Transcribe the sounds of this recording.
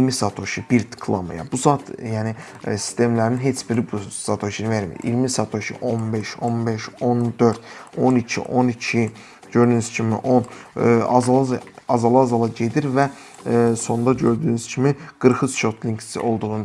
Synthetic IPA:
ilmisat̪ʰo̞ʃibiɾd̪i̥kʰlˠa̰mɯ̰jɑ̰buzɑt̪jæːni | si̥st̪ʰe̞mlæɾninɦet͡ʃbiɾibusat̪ʰoʃinveɾmḭɾḭlmisat̪ʰo̞ʃḭʔo̞nbeʃo̞nbeʃo̞nd̪ø̞ɾd̪onicʰḭʔo̞nicʰi | ɟø̞ɾd̪ynyz̥cʰimḭʔon | ɑ̰zɑlˠɑzɑlˠɑzɑlˠɑɟe̞d̪iɾvæ | so̞nd̪ɑɟø̞ɾd̪yːnyz̥cʰimiɡ̥ɯɾxɯsʃo̞t̪ʰlʲiŋksḭo̞̰lˠd̪uʁn

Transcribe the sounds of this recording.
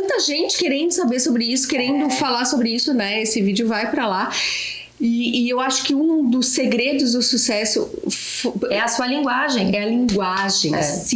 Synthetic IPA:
ɐ̃nt̪ɐʒẽnt͡ʃɪ̥keɾẽnd̪ʊsabeɾsobɾɪisʊ̥keɾẽnd̪ʊfalaɾsobɾɪisʊnɛesɪvid͡ʒɪʊvajpɾɐla | ɪːewaʃʊ̥kɪũd̪ʊseɡɾed̪ʊzd̪ʊsusɛsʊ̰ | foɛɐsuɐlĩŋɡwaʒẽj̃ɛɐlĩŋɡwaʒẽj̃ɛsĩ

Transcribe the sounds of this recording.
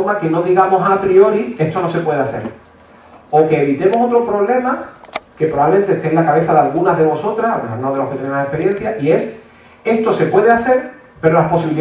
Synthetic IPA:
ɾmake̞noðiɣamo̞sapɾio̞ɾikehst̪o̞no̞se̞pwe̞ð̞eaθe̞̰ɾ | o̞ke̞ːβit̪e̞mo̞so̞t̪ɾo̞pɾo̞βle̞make̞pɾoβaβlemnt̪eht̪enlakaβe̞θaðealɣunazɦðe̞βo̞so̞t̪ɾasaelɣunoðe̞lo̞hket̪enemasehpe̞ɾje̞n̟θjaʔie̞s | e̞st̪o̞se̞pwe̞ðeaθe̞ɾ | pe̞ɾolahpo̞siβili

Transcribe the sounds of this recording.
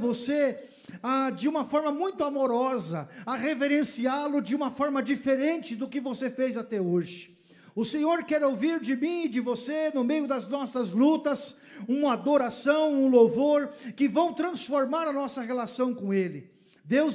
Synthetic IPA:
vose | ad͡ʒɪũmɐfɔɾmɐmũj̃t̪ʊamoɾɔzɐɐʁeveɾẽsialʊd͡ʒɪũmɐfɔɾmɐd͡ʒifeɾẽnt͡ʃɪd̪ʊkɪvosefejzat̪ɛoʒɪ̥ | ʊsẽɲoɾkɛɾowviɾd͡ʒɪmĩd͡ʒɪvosenʊmejʊd̪ɐznɔsɐzlut̪ɐs | ũmɐad̪oɾasɐ̃w̃ũlovoɾkɪvɐ̃w̃t̪ɾɐ̃sfoɾmaɾɐnɔsɐʁelasɐ̃w̃kõelɪ | d̪ewz

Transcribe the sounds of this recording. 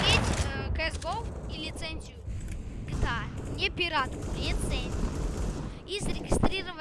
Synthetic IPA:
etʲkəɛzɡofilʲɪt̪sɛnʲzʲiʊkt̪anʲepʲiɾat̪ʊlʲɪt̪sɛnʲzʲijuʊ | izəɾʲɪɡʲɪst̪ɾʲiɾəvə

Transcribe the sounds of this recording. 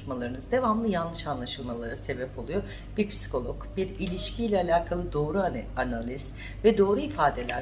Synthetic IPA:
malˠaɾɯnɯzd̪e̞vamlˠɯjanlˠɯʃanlˠaʃɯlˠmalˠaɾɯse̞bɛpʰo̞lˠujo | b̥iɾpʰsi̥kʰo̞lˠɔkb̥iɾilʲiʃcʰilʲɛalʲaːkʰalˠɯd̪o̞ːɾuanalʲiz̥ | vɛd̪o̞ːɾuifaːd̪e̞lʲæɾ

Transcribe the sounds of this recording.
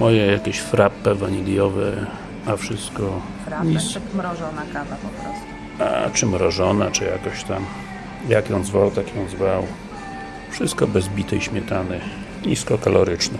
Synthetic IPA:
mɔjɛjakʲɛɕfɾapːɛvaɲilʲjɔvɛ | afʂɘst̪kɔ | fɾaɲimɾɔʐɔnakavapɔpɾɔst̪u | a̰t͡ʂɨmɾɔʐɔnat͡ʂɨja̰kɔɕt̪am | jakjɔ̃w̪̃zvawt̪akjɔ̃w̪̃zvaw | fʂɘst̪̚kɔbɛzbʲit̪ɛjɕmʲjɛt̪anɛ | ɲiskɔkalɔɾɘt͡ʂnɛ

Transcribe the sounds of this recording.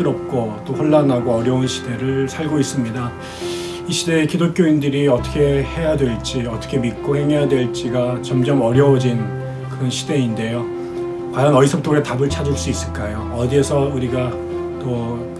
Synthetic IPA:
ɯɾʌp̚k͈ot͈oɸwoɭːanːaɡoʌɾjʌunɕʰi̥de̞ɾɯɭsʰaɭɡois͈ɯmɲida | iɕʰide̞ːkidok͈joindɯɾiʌt͈ʌ̥kʰe̞he̞jadwe̞ɭt͡ɕ͈iʌt͈ʌ̥kʰemit̚k͈ohe̞ŋɦejadwe̞ɭt͡ɕ͈iɡat͡ɕʌmd͡ʑʌmʌɾjʌod͡ʑin | kɯɾʌnɕʰide̞inde̞jo | majʌnʌisʰʌp̚t͈ʰoɡetabɯɭt͡ɕʰad͡ʑuɭs͈uis͈ɯɭk͈ajoʌdiesʰʌuɾiɡa | t͈o

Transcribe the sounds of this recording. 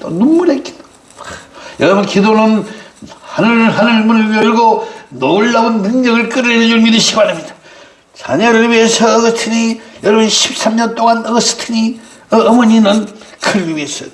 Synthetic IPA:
t̪o̰numːuɾetk͈i̥ta | jʌɾʌbunkidonɯn | hanɯɦanɯɭmunɯɭjʌɭɡonouɭːabunnɯŋɲʌɡɯɭk͈ɯɾɯɾʌd͡ʑunmidɯɕʰimanamɲida | t͡ɕa̰ɲʌɾɯɭwɥiesʰʌːɡʌtʰɯɲijʌɾʌbɯnɕʰip̚s͈amɲʌnt͈oŋanʌɡʌsʰɯ̥tʰɯɲi | ʌːmʌɲinɯnkʰɯɾɡiwɥiesʰʌ

